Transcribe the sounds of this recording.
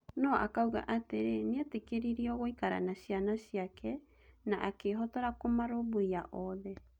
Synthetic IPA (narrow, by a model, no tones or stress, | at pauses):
nɔʔa̰kauɣa̰ʔateɾeneatekeɾiɾiɔɣoikaɾa̰naɕianaɕiakɛ | naʔakeɦɔtɔɾakomaɾoboiaʔɔðɛ